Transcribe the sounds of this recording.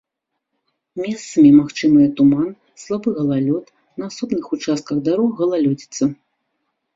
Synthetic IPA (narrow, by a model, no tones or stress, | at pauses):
mʲɛst̪sɐmʲimaxt͡ʂɨmɨjɛt̪uman | slˠabɨɣɐlˠalʲɔt̪ | nɐːsɔbnɨxut͡ʂast̪̚kɐɣd̪aɾɔɣːɐlˠalʲɔd͡zʲit̪sːɐ